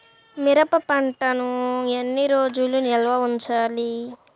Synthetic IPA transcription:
miɾɐpɐpɐɳʈɐnuenːiɾoːd͡ʒulunɛlʋɐuɲt͡ʃaːli

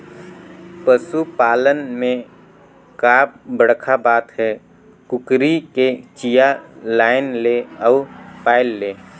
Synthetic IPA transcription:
pəsupaːlənmẽ | kaːp̚bəɽkʰabaːt̪ɦɛː | kʊkɾiket͡ʃijalaːɪnleːɔːpaːɪlːeː

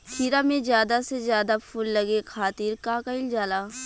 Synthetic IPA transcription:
t̪ʰiːɾamẽzjaːd̪asezjaːd̪apʰʊlːəɡekʰaːt̪iːɾkaːkəɪld͡ʒaːlaː

